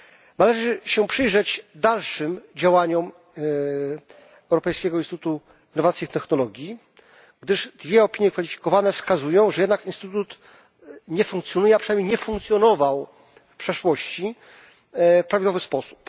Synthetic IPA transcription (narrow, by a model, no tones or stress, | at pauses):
nalɛʐɘɕɛpʂɘjʐɛd͡ʑd̪alʂɘmd͡ʑawaɲɔm | ɛwɾɔpɛjskʲɛɡɔinst̪t̪ut̪u | inːɔvat̪sʲjift̪ɛxnɔlɔɡʲji | ɡd̪ɘʐd̪vʲjɛɔpʲiɲjɛkfalʲifʲi̥kɔvanɛfskazujɔ̃w̃ʐɛjɛd̪nakinst̪ɘt̪ut̪ut̪ | ɲɛfũŋkt̪sjɔnujɛapʂɨnajmɲʲjejɲɛfũŋkt̪sʲjɔnɔvaw | fpʂɛʂwɔɕt͡ɕi | pɾavʲid̪wɔvɘspɔsu̥p